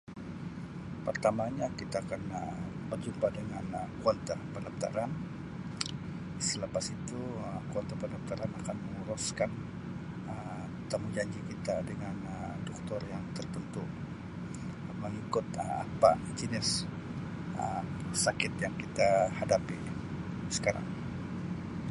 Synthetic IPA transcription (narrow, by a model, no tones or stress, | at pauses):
pərt̪amaɲakit̪aːkanə | bərd͡ʒumpadəŋanəkuɔnt̪apənlap̚t̪a̰ɾan | sələpasit̪uəkuɔnt̪apənlap̚t̪aɾanakanməŋuɾuskan | ə | t̪amud͡ʒaɲd͡ʒikit̪adəŋanədɔk̚t̪ɔrjaŋt̪ərt̪ənt̪u | məŋikʊt̪əa̰pa̰ | d͡ʒənɪs | əsakɪt̪jaŋkit̪ahadapi | sə̥kaɾa̰ŋ